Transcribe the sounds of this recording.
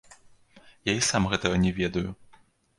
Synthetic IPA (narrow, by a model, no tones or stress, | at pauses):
jaisamɣɛt̪ɐɣɐnʲɛvʲɛd̪ɐju